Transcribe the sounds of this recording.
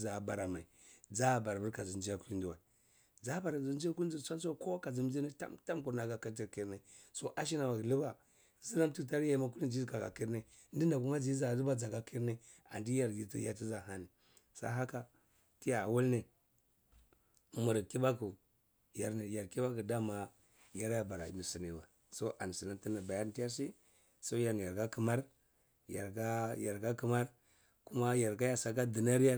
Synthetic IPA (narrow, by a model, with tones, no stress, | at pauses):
za˨ba˨ɾa˨ma˨i˨d͡za˦˨ba˨ɾbu˦ɾka˨zu˨nd͡ʒi˦a˦ku˦i˦ndu˨wa̰˨ | d͡za˦ba˨ɾzu˦nd͡ʒa˦ku˦i˦u˦˨˦a˦n˦so˦ko˦ka˨zi˨m˦d͡ʒi˦ne˦ta̰˦mta˦mku˨ɾna˨ɡa˨ki˦ti˨ɾki˨ɾne˨so˨ʔa˦ʃ̬i˦na˨wa˨klu˦ba˨ | zi˦na˦m˦tu˦˨ta˦ɾja˦ma˦k̬u˦li˦˨d͡ʒi˦˨ka˨ɡa̰˨ki˦ɾne˦ | ndi˦n˦da˨ku˦ma˦d͡ʒi˨˦za˨lu˦ba˦d͡za˨ɡa˦kʰi˦ɾne˦ | a̰˨ndi˦ja˨ɾɡi˨ti˦ja˨t̬i˦za˨ɦa˦ni˨ | sa̰˦ɦa˦ka˨ | ti˦ja˨wu˦lne˨ | mu˨ɾki˦ba˦ku˨ | ja˨ɾni˨ja˨ɾki˦ba˦ku˨da˦ma˨ | ja˦ɾja˦ba˨ɾa̰˨mi˨si˨ni˨wa˨ | so˦ʔa˨n˨si˨na˦ti˦na˨ba˨ja˦ɾti˦ja˦ɾs̬i˦ | so˦ja˨ɾn˨a˨ɾɡa˦ki˨ma˦ɾ | ja̰˨ɾɡa˦ja˨ɾɡa˦ki˨ma˦ɾ | ku˦ma˦ja˨ɾka˦ja˨sa˨ka˦di˨na˦ɾja˦